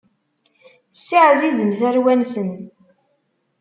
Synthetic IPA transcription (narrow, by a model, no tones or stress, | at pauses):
sːɪʕzizəmθæɾwænsən